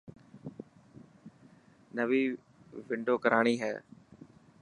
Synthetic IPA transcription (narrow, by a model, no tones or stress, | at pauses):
nəʋiː | ʋɪɳɖoːkəɾaːɳ̃iːɦɛː